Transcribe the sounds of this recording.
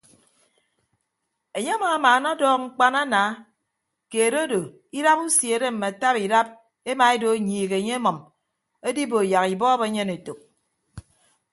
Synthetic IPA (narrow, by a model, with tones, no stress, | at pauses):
e˨ɲe˦a˦mɔ˨ŋa˨maː˨˦na˦dɔː˦k̚ŋ͡m̩˦k͡pa˦na˦naː˨˦ | ke˨ɾo˦do˨ | i˦ɾa˦pu˦sje˨ɾe˦m̩˨me˨a˨ta˦pi˨ɾa˦p̚ | e˦ma˨e˦do˨˦ɲiː˨ɣe˨e˨ɲe˦mɔ˨m | e˦di˦bo˨ja˨ki˨bɔː˦be˦ɲe˦ne˨to˨k̚